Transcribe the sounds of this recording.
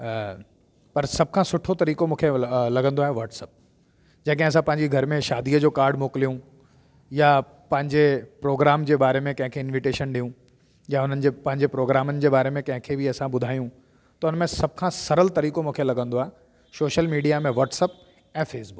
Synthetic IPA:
pɐɾsɐb̚ʱkʰãːsʊʈʰot̪ɐɾiːkomũːkʰelɐɡə̃nd̪oaːɦeʋaːʈsəp̚ | d͡ʑɐːkɦẽɐs̬ãpɐ̃ɦɪ̃ɲd͡ʑiɡʱɐɾmẽʃaːd̪iːəd͡ʑoːkaːɾɖmoːklijũ | ja | pɐ̃ɦɪ̃ɲd͡ʑepɾoːɡɾaːmd͡ʑeːbaːɾemẽkɐ̃ɦɪ̃kʰeɪnʋiʈeːʃənɗijũ | jaʊn̤ənɪ̆d͡ʑeːpɐ̃ɦɪ̃ɲd͡ʑepɾoːɡɾaːmənɪ̆d͡ʑeːbaːɾemẽkɐ̃ɦɪ̃kʰebiɐsãbʊd̪ʱaːjũ | t̪ɐʊnəmẽsɐb̚ʱkʰãːsɐɾəlt̪ɐɾiːkomũːkʰelɐɡə̃nd̪oaːɦe | soːʃəlmiːɖijamẽʋɔːʈsəp̚ | ɛ̃ːfeːsbʊk

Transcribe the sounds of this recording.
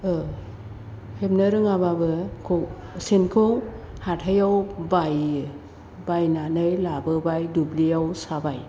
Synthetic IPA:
ɯ | hep̚nɯɾɯŋababɯkʰosenkʰow | hathajawbaj | bajnanɯjlabɯbajdublijawsabaj

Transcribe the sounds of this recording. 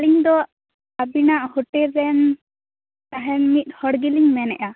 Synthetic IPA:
liŋd̪ɔ | abinaʔhoʈɛɾːɛn | t̪aɦɛnmit̪̚ˀhɔɽɡiliŋmɛnɛ̰ʔa

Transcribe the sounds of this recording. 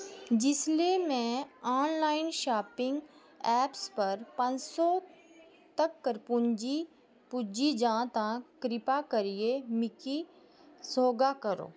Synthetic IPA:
d͡ʒɪslemɛ̃ɔːnlaːɪnʃaːpɪ̃ŋɡ | ɛːpspɐɾpɐ̃nd͡ʒsɔ | t̪ɐkːəɾpʊɲd͡ʒi | pʊd͡ʒid͡ʒãːt̪ãkɾɪpakɐɾiemɪki | soːɡakɐɾo̰ː

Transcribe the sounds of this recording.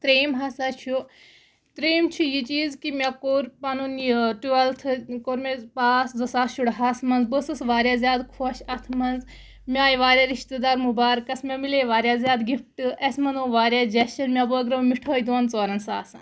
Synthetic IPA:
t̪ɾeːmɦasaːt͡ʃʰu | t̪ɾeːmt͡ʃʰujit͡ʃiːzkimʲakoːɾpɐnunʈuɐlt̪ʰɨkoːɾmepaːszɨsaːʃuɽɦasmɐnzbəsɨsʋaːɾʲjaːzʲjaːd̪kʰoːʃɐt̪ʰmɐnz | mʲaːjiʋaːɾʲjaːɾiʃt̪ed̪aːɾmubaːɾkɐsmʲamileːʋaːɾʲjaːzʲjaːd̪ɡifʈɨʔɐsmɐnd̪oːʋaːɾjaːd͡ʒɐʃɐnmʲjabəːɡɾɐmiʈʰoːjd̪oːnt͡soːɾɐnsa̰ːsaː

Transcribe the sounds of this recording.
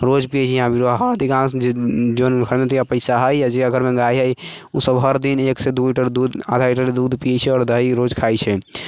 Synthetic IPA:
ɾod͡ʒpijɛt͡ʃʰɛjɦãbiɾoɦad̪ikãsd͡ʒonkʰəɾmet̪ojapəɪsaɦəjjad͡ʒeaɡʱəɾmeɡajɦəj | usəbɦəɾd̪ineksed̪uiʈəɾd̪ud̪a̰d̪ʱaiʈəɾled̪ud̪ʱpijɛt͡ʃʰɛɔːɾd̪ʱəiɾod͡ʒkʰajt͡ʃʰɛ

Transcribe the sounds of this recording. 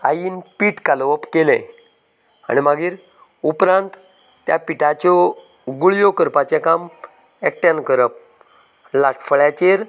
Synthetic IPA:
a̰jiːnpiːʈkalʋəpkelḛ̃ | a̰ɽ̃imaɡiːɾ | upɾãnt̪ː | ja̰piʈat͡ɕɔ | ɡuɭjokəɾpat͡ɕẽkam | ek̚ʈjankəɾəp̚ | laʈʰfəɭjat͡ɕeɾ

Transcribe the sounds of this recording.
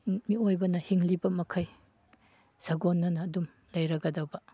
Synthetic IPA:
miojbɐnɐhiŋlibɐmɐkʰɐj | sɐɡonːɐnɐːdum | lɐjɾɐɡɐdɐwbɐ

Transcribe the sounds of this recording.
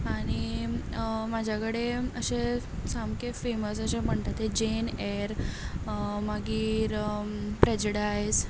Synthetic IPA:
aɽ̃i | mad͡ʑʱjakəɽeəɕe | samkefeməsəɕem̤əɳt̪at̪ed͡ʑenɛɾ | maɡiːɾpɾɛd͡ʑuɽajs

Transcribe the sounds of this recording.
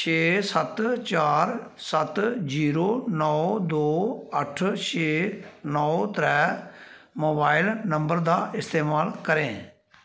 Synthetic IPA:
ʃʰeːsət̪t͡ʃaːɾ | sət̪d͡ʒiːɾoːnɔːd̪oːəʈʰʃʰeːnɔːt̪ɾɛː | moːbaːɪlnəmbəɾd̪aːʔɪst̪eːmaːlkəɾẽː

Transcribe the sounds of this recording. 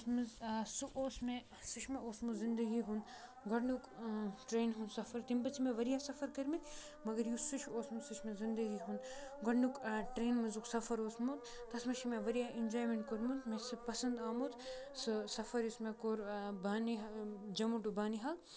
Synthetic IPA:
smɐzsuʔoːsmẽ | siʃʰmeoːsmuzind̪ɐɡiɦun | ɡɐɽnukʈɾeːnɦunsɐfɐɾt̪impɐt͡ʃʰimẽʋɐɾijasɐfɐɾkɐɾmit̪ | mɐɡɐɾjusut͡ʃʰoːsmusɨʃʰmezind̪ɐɡiɦunɡɐɖnukʈɾeːnmɐzuksɐfɐɾoːsmut̪ | t̪ɐsmɐʃʰimẽʋɐɾijainʲd͡ʒoːjmeɳʈkoɾmunt̪mesɨpɐsɐnd̪aːmod̪ | sɨsɐfɐɾismẽkoːɾbaːniɦd͡ʒɐmuʈubaːniɦɐl

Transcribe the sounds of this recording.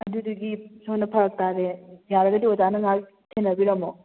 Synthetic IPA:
ɐd̪uduɡisonɐpʰɐɾɐk̚tadejaɾɐɡɐdiɔtanɐŋa | sʰenɐbiɾɐmo

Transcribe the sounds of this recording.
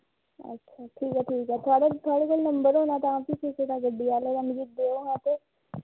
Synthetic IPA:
ə̰tːʃʰaʈʰiːkɛːʈʰiːkɛt̪ʰʊaːɽet̪ʰʊaːɽekolnəmbəɾɦoːnat̪ãt̪isiseʈ̪aɡəɖːiaːleɾamɪd͡ʒid̪oːoat̪e

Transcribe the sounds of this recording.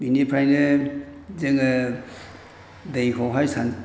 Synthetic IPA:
minipʰɾajne | zeŋa | dejkʰɔɦajsan

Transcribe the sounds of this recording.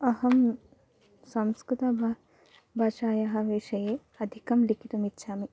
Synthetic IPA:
ɐhɐm | sɐmskɾut̪ɐbʱ | bʱaːʃaːjɐɦɐ̆ʋeːʃɐjeː | ɐd̪ʱikɐmlikʰit̪umitːʃʰaːmi

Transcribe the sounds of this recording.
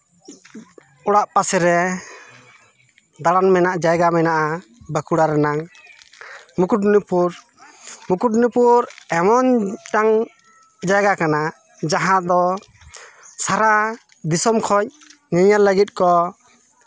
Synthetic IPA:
ɔɽaʔpasɛɾɛ | d̪aɽanmɛnaʔd͡ʒajɡamɛnaʔabəkuɽaɾɛnaŋ | mukuʈ̚nupuɾ | mukuʈ̚nupuɾɛmɔnʈaŋ | d͡ʒajɡakana | d͡ʒaɦãd̪ɔ | saɾa | d̪isɔmkʰɔc̚ | ɲiɲalːəɡit̪̚kɔ

